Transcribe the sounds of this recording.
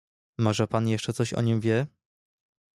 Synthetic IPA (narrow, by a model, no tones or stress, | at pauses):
mɔʐɛpanjɛʂt͡ʂɛt̪sɔɕɔ̰ɲimvʲjɛ